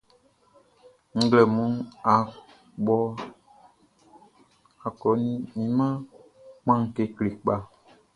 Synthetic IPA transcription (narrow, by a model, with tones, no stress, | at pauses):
ŋ̩˦ɡlɛ˨mũ˦a˨ | ɓɔ˧ | a˨kɔ˨˦nĩ˦ĩ˨mã˦ | k͡pã˦ŋ˨ke˧kle˨k͡pa˦